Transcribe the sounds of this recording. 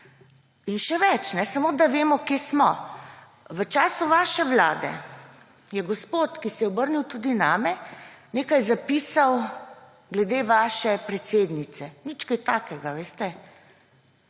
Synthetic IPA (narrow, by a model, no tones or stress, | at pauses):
inʃɛʋɛt͡ʃnɛsamoːd̪aʋeːmɔkjeːsmɔ | ʋət͡ʃaːsuʋaːʃɛʋla̰ːd̪ɛ̰ | jɛɡɔspoːt̪kisɛjɛɔbəɾniwt̪uːd̪inaːmɛneːkajzapiːsaw | ɡlɛd̪eːʋaːʃɛpɾɛt̪seːd̪nit̪sɛnit͡ʃkɛjt̪aːkɛɡaʋeːst̪ɛ